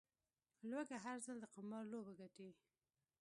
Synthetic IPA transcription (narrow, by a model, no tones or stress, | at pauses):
lwaɡaɦaɾzald̪əqamɑɾlobaɡaʈiwi